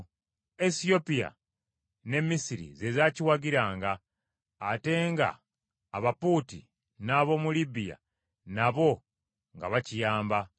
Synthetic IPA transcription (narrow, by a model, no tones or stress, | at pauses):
esio̞pija̰ | ne̞mːisiɾḭze̞zaːciwaɡiɾaːŋɡaː | te̞ːŋɡa̰ː | βapuːti | naβo̞mulibija̰ | naβo̞ | ŋɡaβacijaːmba